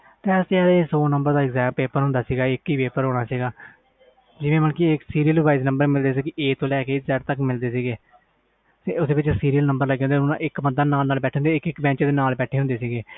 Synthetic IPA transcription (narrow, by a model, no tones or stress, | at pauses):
t̪eːst̪aːɾːsoːnəmbəɾd̪aːɪkzɛ̃ːmpeːpəɾɦʊ̃nd̪aːsiːɡaːɪkiːpeːpəɾɦoːɽ̃aːsiːɡaː | d͡ʒɪʋẽːmənkiɪksiːɾiːəlʋaːiznə̃mbəɾmɪld̪eːs̬iːɡiʔeːt̪õːlɛːkeːzɛːʈt̪əkːmɪld̪eːsiːɡeː | seʊseːʋɪt͡ʃsiːɾiːəlnəmbəɾləɡẽːnd̪enã̰ʔɪkməd̪aːnaːlnaːlbɛːʈʰẽond̪eɪkɪkbɛ̃ːt͡ʃːd̪eːnaːlbɛːʈʰeːɦʊ̃nd̪eːsiːɡeː